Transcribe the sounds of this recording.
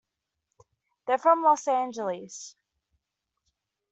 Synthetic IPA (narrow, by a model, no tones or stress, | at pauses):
ðə˞fɹʌ̃mlɔsæ̃nd͡ʒəl̩ˠɨz̥